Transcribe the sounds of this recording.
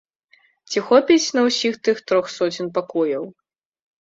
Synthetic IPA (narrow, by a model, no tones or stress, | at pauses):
t͡sʲixɔpʲit͡sʲnɐwsʲixt̪ɨxt̪ɾɔxsɔt͡sʲinpakɔjɐw